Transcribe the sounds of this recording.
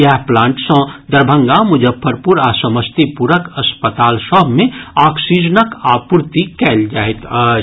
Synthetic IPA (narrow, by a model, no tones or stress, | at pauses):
jaːɦplãːɳʈsɐ̃d̪əɾbʱə̃ŋɡamʊd͡ʒəpʰːəɾpuɾaːsəməst̪ipuɾəkɐspət̪aːlʃɔːbmẽaːksid͡ʒənəkaːpuɾt̪ikɛːld͡ʒaːet̪a